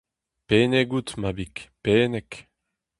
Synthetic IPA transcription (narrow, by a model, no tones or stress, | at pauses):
peneɡut̪mabikpeːnɛk